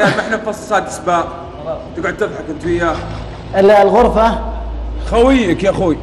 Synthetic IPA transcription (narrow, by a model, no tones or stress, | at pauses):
jaːmɪħnafɑsˤːɑ̥sˤaːt̪ʔḁsbaːʔ | t̪ɪɡʕʊd̪̚t̪ɨðˤħakɪnt̪wɪjːaː | ɪllɣʊɾˤfa | xawijakiʔaxui